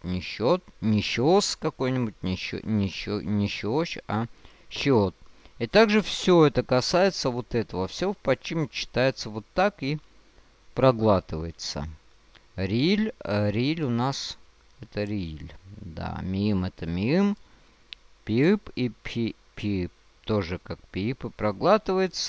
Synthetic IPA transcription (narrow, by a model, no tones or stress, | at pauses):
nʲɪɕot̪̚nʲɪɕoskɐko̞jnʲɪbʊtʲn̰ʲnʲɪnʲɪɕoɕa | ɕot̪̚it̪aɡʐɨfsʲoɛt̪əkɐsajɪt̪səvot̪ɛt̪əvəfsʲopɐt͡ɕimʲt͡ɕːɪ̥t̪ajɪt̪səvo̞t̪ːaki | pɾɐɡlˠat̪ɨvəjɪt̪sə̰ | ɾʲilʲɾʲilʲʊnas | ɛt̪əɾʲilʲd̪a̰mʲɪimɛt̪əmʲiɨm | pʲiɨpipʲʰi | pʲiɨp̚ | t̪oʐɨkak̚pʲiɨpɨpɾɐɡlˠat̪ɨvəjɪt̪sə